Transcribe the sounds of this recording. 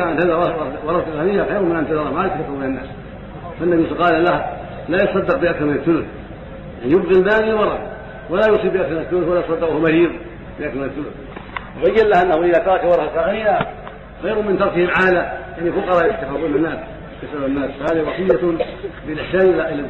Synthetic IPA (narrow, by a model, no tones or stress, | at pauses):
aʕant̪aðawɑwɑɾˤɑt̪kaːnɪjːaxajɾʊmɪnʔant̪aðɑɾˤɑmajat̪ːakafːɑmɪnanːa̰ːs | fanːabifaqɑːlalah | laːjɑt̪sˤɑd̪ːɪq̚bɪʔakθɑɾmɪnaθθːʊlʊθ | jaʕnjʊbɣilmaːnɪlwɑɾˤɑ | walajʊsˤiːbɪʔakθɾmɪnaθːʊlʊθwalajt̪sˤɑd̪ːɪkːhumaɾiːð | bɪʔakθaɾmɪnaθːʊlʊθ | wbajːallahʔanːahuʔɪðaːt̪ɑɾˤɑkawɑɾˤɑhakaanɪjːa | xajɾʊmɪnt̪ɑɾˤkɪhɪmʕaːlajaʕnifʊqɑɾˤɑːjʊt̪ːafaːbuːnanːaːs | kasaanːaːsfahaːðihiwɑsˤɨjːabɪlʔɪħsaːnʔɪlaʔɪla